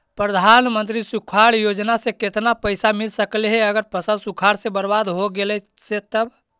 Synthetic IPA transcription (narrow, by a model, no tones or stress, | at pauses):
pɾəd̪ʱanmənt̪ɾisukʰaɽjod͡ʒnasẽket̪napəjsamilsəkleɦeəɡəɾpəsəlsukʰaɽsẽbəɾbad̪ɦoɡelɛset̪əb